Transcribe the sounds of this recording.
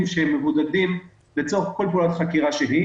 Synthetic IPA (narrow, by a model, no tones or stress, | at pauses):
mʃehemːe̞vud̪ad̪im | let͡so̞χko̞lpulat̪χakiʁaʃeɦi